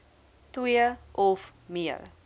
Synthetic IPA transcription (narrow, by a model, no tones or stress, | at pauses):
twiəʔɔfmiə̰ɾ